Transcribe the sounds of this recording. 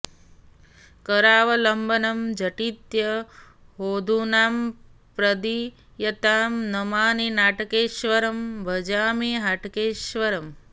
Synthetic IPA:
kɐɾaːʋɐlɐmbʱɐnɐmd͡ʒɐʈit̪jɐ | ɦoːd̪ʱuːnaːmpɾɐd̪i | jɐt̪aːmnɐmaːninaːʈkeːʃʋɐɾɐmbʱɐd͡ʒaːmiɦaʈkeːʃʋɐɾɐm

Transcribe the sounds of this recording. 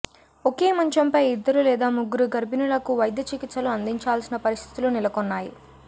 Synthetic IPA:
oke̞ːmɐɲt͡ʃɐmpɐjid̪ːɐɾulɛːd̪aːmuɡuɾuɡɐɾbʱinulɐkuʋɐjɐd̪jɐt͡ʃikit̪sɐluɐnd̪iɲt͡ʃaːlsinɐpɐɾist̪ʰit̪ulunilɐkonːaːjḭ

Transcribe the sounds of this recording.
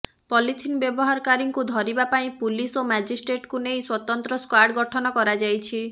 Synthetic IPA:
pɔlit̪ʰinbjɔbɔɦaɾɔkaɾiŋkud̪ʱɔɾibapaĩpulisomad͡ʒisʈɾeʈkunejswɔt̪ɔnt̪ɾɔskwaɖɡɔʈʰɔnɔkɔɾad͡ʒajt͡ʃʰi

